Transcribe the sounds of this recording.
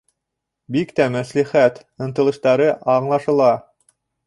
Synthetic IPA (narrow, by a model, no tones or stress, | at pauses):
bikt̪æmæsliχæt̪ɤ̆nt̪ɤ̆lˠɤ̆ʃt̪ɑɾɤʔɑɴlˠɑʃɤ̆lˠɑ